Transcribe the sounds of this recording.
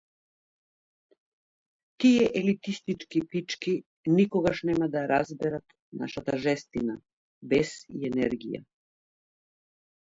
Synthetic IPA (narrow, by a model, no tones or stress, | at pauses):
t̪ijɛʔɛlit̪ist̪it͡ʃkipit͡ʃki | nikɔɡaʃnɛmad̪aɾazbɛɾat̪ | na̰ʃat̪aʒɛst̪ina | bɛsḭɛnɛɾɡḭja̰